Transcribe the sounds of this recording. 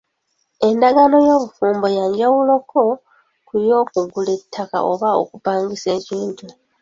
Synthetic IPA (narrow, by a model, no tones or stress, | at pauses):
e̞ndaɡano̞jo̞ːβufuːmbojaːɲɟawulokʰo̞ | kujo̞ːkuɡule̞tʰːaka̰ʔo̞̰βao̞̰kupaːŋɡise̞ːciːntu